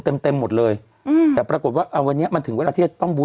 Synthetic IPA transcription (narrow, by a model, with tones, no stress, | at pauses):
t̪e˧mt̪e˧mːo˨˩lɤː˧j | t̪ɛː˨˩pɾaː˧ko˨˩t̪̚waː˥˩ʔaː˧˩wa˧nː˦˥ɐʔma˧nt̪ʰɯ˩˦ŋwe˧lːa˧iː˥˩a˨˩t̪ɔ˥˩ŋbuː˧